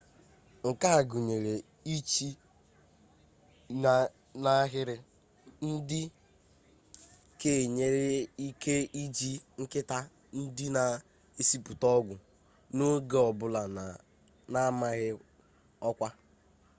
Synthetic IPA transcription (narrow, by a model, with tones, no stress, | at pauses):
ŋ̩˨ka˦a˨ɡʊ˨ɲe˨ɾe˨ | i˦t͡ʃi˦˨ | na˦ɦɪ˦ɾɪ˦ | n̩˦dɪ˦ | ke˨ɲe˦ɾe˦i˦ke˦i˦d͡ʒi˦ŋ̩˦kɪ˦ta˦ | n̩˦dɪ˦na˨ | e˦si˦pu˨tɔ˦ɡʷʊ˨ | no˦ɡe˨ɔ˨bʊ˦la˨n˨ | na˦ma˦ɣɪ˦ | ɔ˦kʷa˦